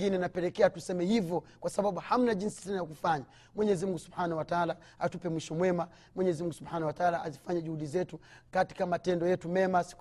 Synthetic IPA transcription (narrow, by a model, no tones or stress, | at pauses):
ɡinɛnapɛlɛkɛatusɛmɛhivjɔkwasaɓaɓuham̩naʄinsi̥sanajakufaɲa | mwɛɲɛzimuŋɡusubħanauwataala | atupɛmwiʃɔmwɛma | mwɛɲɛzimuŋɡusubanawataalaazifaɲɛʄuhuɗizɛtukati̥kamatɛndɔjɛtumɛmasi̥k